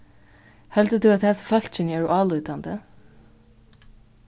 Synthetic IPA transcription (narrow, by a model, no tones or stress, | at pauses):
hɛlt̪ət̪ʰʉat̪hʰɛːsfœl̥t͡ʃɪnɛɹʔɑːlujt̪and̪ə